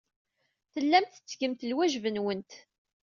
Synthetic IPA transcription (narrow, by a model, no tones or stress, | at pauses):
θəlːæmt̪ə̥t͡sːɡəmt̪əlwæʒvənwənt̪